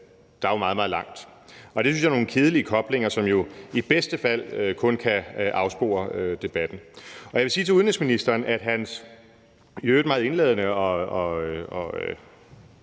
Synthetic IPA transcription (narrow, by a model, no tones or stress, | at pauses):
d̥ɑ̈æmɑ̈ːðˠmɑ̈ð̩ˠlɑ̈ŋ̰d̥ | ɒ̽d̥esynsjɑæno̝ːn̩kʰe̝ðˠəliəkʰɒ̽b̥le̝ŋ̰ɐsɒ̽mjo̝ib̥esd̥əfæl̰økʰɔ̽nkʰæʔɑ̈ʊsb̥o̝̰ːɐød̥e̝b̥æd̥n̩ɒ̽jɑʋe̝siːt͡sʰe̝unisminisd̥ɐːnæd̥ɦæns | jød̥mɑ̈ːðˠe̝nlḛðˠnəɒ̽ɒ̽ɒø